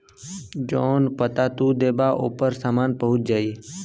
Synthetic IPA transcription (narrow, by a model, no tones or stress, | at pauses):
d͡ʒonpət̪at̪ũd̪ebaʔopəɾsamanpəɦʊt͡ʃd͡ʒai